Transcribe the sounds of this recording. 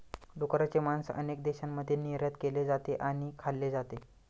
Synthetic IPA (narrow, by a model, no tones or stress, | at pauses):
d̪ukɾat͡semansə̰nek̚d̪eɕamːəd̪ʱeniɾjat̪keled͡zat̪eʔaɽ̃ikʰalːed͡zat̪e